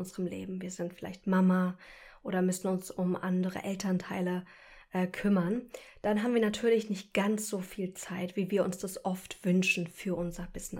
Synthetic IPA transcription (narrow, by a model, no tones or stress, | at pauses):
ʊnzəʁəmlḛːbm̩viːɐzɪntfɪla̰ɪçtmamaʔoːɾɐmʏsn̩ʊnsʊmʔa̰ndəʁə̰ʔɛltʰɐntʰaɪlə | ʔɛːkʰʏmɐnd̥anɦaːbmviːɐnatʰyːɐlɪçnɪçt̚ɡ̥ant͡sz̥oːfiːlt͡saɪtv̥iːviːɐʔʊnsd̥asʔɔftv̥ʏnʃn̩fyːɐʔʊnzɐbɪsn